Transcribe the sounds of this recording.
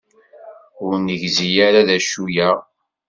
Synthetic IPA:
ʊɾnəʝzijaɾaðæʃujæʁ

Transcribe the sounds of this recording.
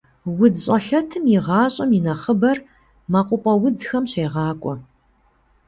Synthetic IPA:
wʊd͡zɕʼɐɬɐtʰɨmjiʁɑːɕʼɐmjɪnɐχəbɐr | mɐqʷʼʊpʼɐwʊd͡zxɐmɕeːʁɑːkʷʼɔ

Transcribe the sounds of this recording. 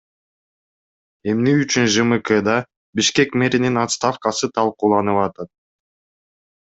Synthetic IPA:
e̞mneyt͡ʃynʒɨmɨked̪ɑ | biʃke̞kmʲe̞ɾʲininat̪st̪afkɑsɯt̪ʰɑlˠquːlˠɑnɯpɑt̪ɑt̪̚

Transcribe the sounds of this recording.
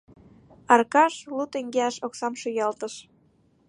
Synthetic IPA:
ɑrkɑʃlut̪eŋɡeɑʃoksɑmʃojɑlt̪əʃ

